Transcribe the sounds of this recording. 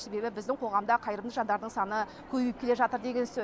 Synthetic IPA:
se̞be̞bɪbɪzd̪ɪŋqʰo̞ʁɑmd̪ɑqʰɑjɾəmd̪əʒɑnd̪ɑɾd̪əɴsɑnə | kʲʰɵbɪjɪpkʲʰe̞leʒɑt̪əɾd̪e̞ɡʲe̞nsɵ

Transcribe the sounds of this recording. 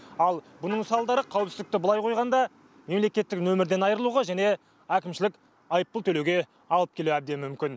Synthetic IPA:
ɑlˠbʊnəɴsɑlˠd̪ɑɾəqʰɑwɪpsɪzɪk̚t̪ɪbʊlˠɑjqʰo̞jʁɑnd̪ɑ | me̞mle̞kʲe̞t̪ːɪknɵmɪɾd̪e̞nɑjəɾəlˠuʁɑʒæne̞ | ækʲɪmʃɪlɪkʲ | ɑjəp̚ːəlˠt̪ʰɵlewɡʲe̞ | ɑlˠəp̚kʰʲe̞luæb̚d̪e̞mʏmkʲɪn

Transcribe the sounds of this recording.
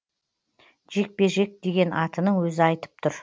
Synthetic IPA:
ʒ̥e̞k̚pe̞ʒe̞k̚d̪e̞ɡʲe̞nʔɑt̪ənəŋwɵzɪɑjt̪ə̥p̚t̪ʰʊɾ

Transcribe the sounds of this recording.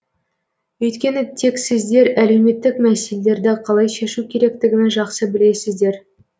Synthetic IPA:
ɵjt̪kʲe̞nɪt̪ʰe̞ksɪzd̪e̞ɾæle̞wme̞t̪ːɪkmæse̞lele̞ɾd̪ɪqʰɑlˠɑjʃe̞ʃukʲʰe̞ɾe̞kt̪ɪɡʲɪmenʒɑqsəbɪle̞sɪzd̪e̞ɾ

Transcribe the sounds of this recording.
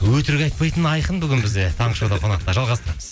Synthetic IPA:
wɵt̪ɪɾɡʲɑjt̪pɑjt̪ənɑjqənbʏɡʲɪnbɪzd̪et̪ʰɑɴəʃowd̪ɑqʰo̞nɑq̚t̪ɑʒɑlˠʁɑst̪əɾɑməz

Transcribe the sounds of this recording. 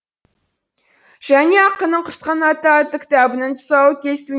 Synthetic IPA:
ʒ̥æne̞ɑqːənəɴqʰəɾsqɑnɑt̪ɑt̪ːəkʲɪ̥t̪ɑbɪnɪnt̪ʰʊ̥sɑwəkʲʰe̞st̪ɪl

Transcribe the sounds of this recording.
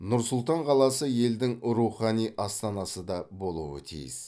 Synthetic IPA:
nʊɾsʊlˠt̪ɑɴqʰɑlˠɑsəje̞ld̪ɪŋɾuχɑnijʔɑst̪ɑnɑsəd̪ɑbo̞lˠuwə̰t̪ʰḭjɪ̰s

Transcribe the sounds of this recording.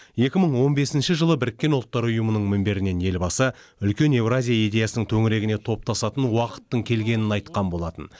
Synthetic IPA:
je̞kʲɪməɴwo̞nbe̞sɪnʃɪʒəlˠəbɪɾɪkʲːe̞nʊlˠt̪ːɑɾʊjəmənəɴmɪmbe̞ɾɪne̞nje̞lbɑsə | ʏlkʲe̞ne̞vrazʲijaijd̪e̞jɑsənəɴt̪ʰɵŋɪɾe̞ɡʲɪne̞t̪ʰo̞p̚t̪ʰɑsɑt̪ənwɑqə̥t̪ːəɴkʲʰe̞lɡʲe̞nɪnɑjt̪qɑnbo̞lˠɑt̪ən

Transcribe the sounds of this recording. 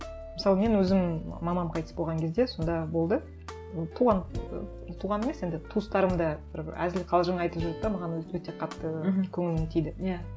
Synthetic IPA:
məsɑlˠəme̞nwɵzɪmmɑmɑmqʰɑjt̪ə̥sbo̞lˠʁɑŋkʲʰe̞zd̪e̞so̞nd̪ɑbo̞lˠd̪ə | t̪ʰuʁɑn | t̪ʰuʁɑnemese̞nd̪ɪt̪ʰust̪ɑɾəmd̪ɑb̥ɪ̰ɾæ̰zɪlɪqʰɑlˠʒəɴɑjt̪əpʒʊɾ̚t̪ɑmɑʁɑnwɵt̪e̞qʰɑt̪ːəkʲʰɵŋɪlɪmet̪ʰijd̪ɪja

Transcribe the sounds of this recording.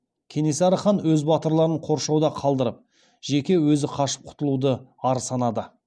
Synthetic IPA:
kʲʰe̞nesɑɾɑχɑnwɵzbɑt̪əɾlˠɑɾəɴqʰo̞ɾʃɑwd̪ɑqʰɑlˠd̪əɾəp̚ | ʒ̥e̞kʲe̞wɵzɪqʰɑʃə̥p̚qʰʊ̥t̪əlˠud̪əɑɾəsɑnɑd̪ə

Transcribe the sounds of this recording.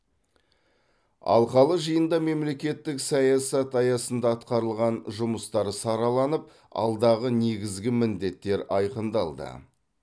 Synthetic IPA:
ɑ̰lˠqɑlˠəʒəjənd̪ɑme̞mle̞kʲe̞t̪ːɪksɑjɑsɑt̪ɑjɑsənd̪ɑːt̪qɑɾəlˠʁɑnʒʊməst̪ɑɾəsɑɾɑlˠɑnəp̚ | ɑ̰lˠd̪ɑʁəne̞ɡʲɪzɡʲɪmɪnd̪e̞t̪ːe̞ɾɑjqənd̪ɑlˠd̪ə̰

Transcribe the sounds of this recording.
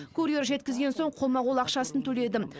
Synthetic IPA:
kʰuɾeɾʒe̞t̪kʲɪzɡʲe̞nso̞ɴqʰo̞mɑʁolˠɑqʃɑsənt̪ʰɵle̞d̪ɪm

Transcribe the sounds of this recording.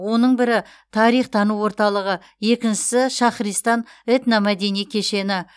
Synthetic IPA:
wo̞nəɴbɪɾɪ | t̪ʰɑɾijχt̪ʰɑnuwo̞ɾt̪ɑlˠəʁə | je̞kʲɪnʃɪ̥sɪʃɑχɾijst̪ɑnet̪namæd̪e̞nijkʲʰe̞ʃe̞nɪ

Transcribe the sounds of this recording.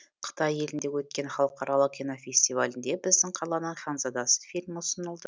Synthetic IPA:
qʰə̥t̪ɑje̞lɪnd̪ewɵt̪̚kʲe̞nχɑlˠəqɑɾɑlˠəq̚kʲinofʲe̞sʲt̪ʲivalʲɪnd̪e̞bɪzd̪ɪŋqʰɑlˠɑnɑɴχɑnzɑd̪ɑsə̥fʲilʲmʊsənəlˠd̪ə

